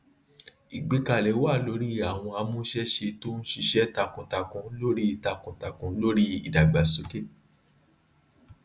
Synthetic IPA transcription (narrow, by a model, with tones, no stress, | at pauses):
i˨ɡ͡be˧ka˨lɛ˨˦wa˦˨lo˨˦ɾi˦a˦˨w̃ɔ̃˧a˧mũ˦ʃɛ˦ʃe˧to˦n̩˦ʃi˧ʃɛ˦ta˧kɔ̃˨ta˨kɔ̃˨˦lo˦ɾi˦i˨ta˧kɔ̃˨ta˨kɔ̃˨˦lo˦ɾi˦i˨da˨ɡ͡ba˨so˦ke˦